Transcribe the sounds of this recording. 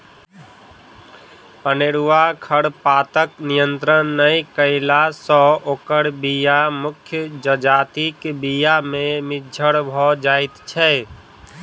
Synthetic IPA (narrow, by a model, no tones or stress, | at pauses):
pəneːɾuʋakʰəɽpaːt̪əknijə̃nt̪ɾənːəĩkəɪlasɔoːkəɽbijamʊkʰjəd͡ʒəd͡ʒaːt̪ikbijamẽmɪd͡ʒʱəɽbʱɔd͡ʒaːɪt̪t͡ʃʰɛ